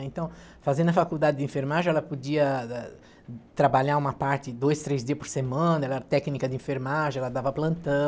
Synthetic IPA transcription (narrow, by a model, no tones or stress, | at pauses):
ẽnt̪ɐ̃w̃ | fazẽnd̪ɐfakud̪ad̪ɪd̪ɪẽfeɾmaʒẽɛlɐpod͡ʒiɐɛ | t̪ɾabaʎaũmɐpaɾt̪ɪd̪ojst̪ɾezd͡ʒiɐpoɾsemɐ̃nɐɛlɛɾɐt̪ɛknikɐd̪ɪĩfeɾmaʒẽɛlɐd̪avɐplɐ̃nt̪ɐ̃